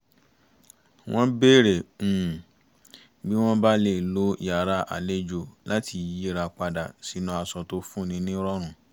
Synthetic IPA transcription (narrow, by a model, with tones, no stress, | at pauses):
w̃ɔ̃˦be˦˨ɾẽ˨ | bi˦w̃ɔ̃˦ba˦le˦˨lo˦i˦a˨ɾa˧˦ʔa̰˨le˦d͡ʒo˨la˦ti˨˧˨je˦ɾa˧k͡pa˧da̰˨si˨˦nũ˧˦a˧sɔ˧to˧˦fũ˦˨nĩ˨˧˦nĩ˦ɾɔ˦ɾ̃ũ˦˨